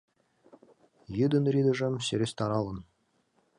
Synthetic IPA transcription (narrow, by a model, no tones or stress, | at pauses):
jɯd̪ɤ̆nrʲid̪ɤ̆ʐɤ̆mseɾʲesʲt̪ɑɾɑlˠɤ̆n